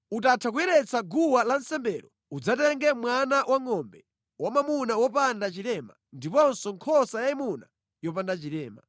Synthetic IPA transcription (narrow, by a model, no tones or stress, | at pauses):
utatʰak̬ujɛɾɛt͡saɡuwalansɛmbɛːɾɔ | ud͡zatɛŋɡɛmwanawʔaŋɔmbɛ | wamamunawɔpandat͡ʃiɾɛma̰ | ndipɔnsɔŋkʰɔsajaimuna̰ | jɔp̬andat͡ʃiɾɛːma̰